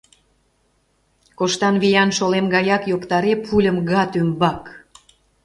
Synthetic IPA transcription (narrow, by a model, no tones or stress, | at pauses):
koʃt̪ɑnβijɑnʃolemɡɑjɑkjokt̪ɑɾepʰulʲəmɣɑt̪ymbɑk